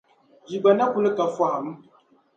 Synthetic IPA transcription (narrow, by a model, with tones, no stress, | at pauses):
d͡ʒi˨ɡ͡ba˨na˦ku˦lə˦ka˨fwa˨a˨m̩˦